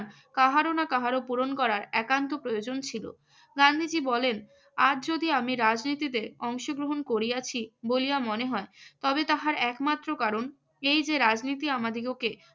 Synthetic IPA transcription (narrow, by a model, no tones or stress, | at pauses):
ɾ | kaɦaɾonakaɦaɾopuɾonkɔɾaɾɛkant̪opɾojod͡ʑont͡ɕʰilo̰ | ɡand̪ʱid͡ʑibɔlen | ad͡ʑd͡ʑod̪iamiɾad͡ʑnit̪id̪eɾɔŋʃoɡɾoɦonkoɾiat͡ɕʰiboliamoneɦɔet̪ɔbet̪aɦaɾɛkmat̪ːɾokaɾon | ejd͡ʑeɾad͡ʑnit̪̬iamad̪ʱiɡoke